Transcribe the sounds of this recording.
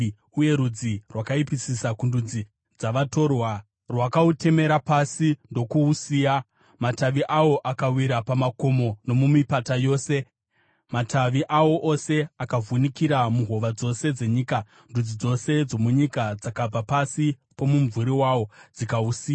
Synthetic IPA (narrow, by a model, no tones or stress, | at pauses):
uje̞ɾud͡zirwakaipisisakundud͡zi | d͡zaʋato̞rwa | rwakaute̞me̞ɾapasindo̞kuusiːja | mataʋiʔawo̞ʔakawiɾapamako̞mo̞no̞mumipatajo̞ːse̞ | matʰaʋiʔawo̞ʔose̞akavunikiɾamuɦo̞ʋad͡zo̞se̞d͡ze̞ɲiːka | ndud͡zid͡zo̞se̞d͡zo̞muɲikad͡zakab͡vapasi | po̞muɱvuɾiwawo̞d͡zikausiːja